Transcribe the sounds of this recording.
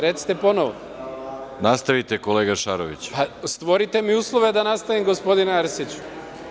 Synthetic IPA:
ɾet̪si̥t̪e̞po̞noʋo | nast̪aʋit̪e̞koleːɡaʃaɾoʋḭt͡ɕpast̪ʋo̞ɾit̪e̞miuːslˠoʋe̞d̪anast̪aʋimɡospo̞d̪inaɾsit͡ɕu̥

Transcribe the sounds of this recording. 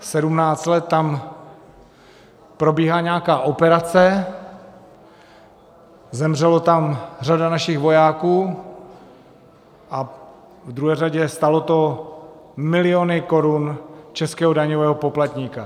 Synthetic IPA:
sɛdumnaːt͡st̪lɛt̪ːam | pɾo̞biːɦaːɲɛakaːʔo̞pɛɾat͡sɛ | zɛmr̝ɛlot̪amr̝adanaʃɪxɣvo̞jaːkuː | ʔa | vd̪ɾuɦɛːraɟɛst̪alot̪o̞ | mɪlɪonɪko̞ɾunt͡ʃɛskɛːɦodaɲovɛːɦopo̞plat̪ɲiːka

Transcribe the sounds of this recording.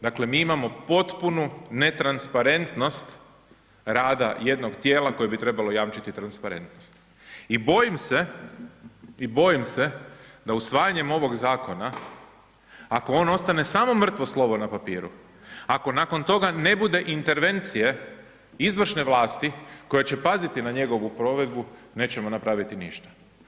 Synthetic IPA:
d̪akle̞miːimamo̞po̞t̪punune̞t̪ɾanspaɾe̞nt̪no̞st̪ | ɾaːd̪a̰je̞d̪no̞ɡt̪je̞ːlako̞jebit̪ɾe̞balo̞jaːmt͡ʃit̪it̪ɾanspaɾe̞̰nt̪nost̪ | ibo̞jimse̞ | ibo̞jimse̞d̪ausʋaːjaɲe̞mo̞ʋo̞ɡzaːko̞na | ako̞o̞ːno̞st̪ane̞samo̞mr̩t̪ʋo̞slˠo̞ʋo̞napapḭːɾṵ | ako̞nako̞nt̪o̞ɡane̞bud̪e̞ʔint̪e̞ɾʋe̞nt̪sije̞ | izʋr̩ʃne̞ʋlˠaːst̪iko̞jat͡ɕe̞pazit̪inaɲe̞ɡo̞ʋupɾo̞ʋe̞d̪bune̞ːt͡ɕe̞monapɾaʋit̪inḭʃt̪ḁ

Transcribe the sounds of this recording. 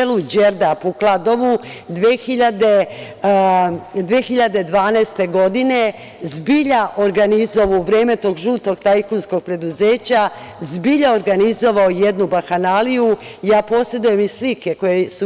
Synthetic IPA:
elud͡ʑeɾd̪apoklˠad̪o̞ʋu | d̪ʋeːxiʎad̪e | d̪ʋeːxiʎad̪e̞d̪ʋaːnast̪e̞ɡo̞d̪ine | zbiʎaʔoɾɡanizo̞ʋoʋɾeːmet̪oːɡʒuːt̪o̞ɡt̪ajkunsko̞ɡ̚pɾe̞d̪uze̞ːt͡ɕa | zbiʎaoɾɡanizo̞ʋaoje̞d̪nubaxanalijujaːpo̞sje̞d̪uje̞mislike̞kojesu

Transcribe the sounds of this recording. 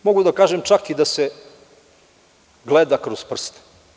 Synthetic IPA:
moɡud̪akaːʒemt͡ʃakid̪ase | ɡlˠed̪akɾospr̩st̪

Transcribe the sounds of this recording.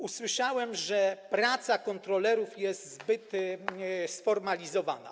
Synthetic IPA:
uswɘʂawɛmʐɛpɾat̪sakɔnt̪ɾɔlɛɾufjɛst̪zbɘt̪ | sfɔɾmalʲizɔva̰na̰

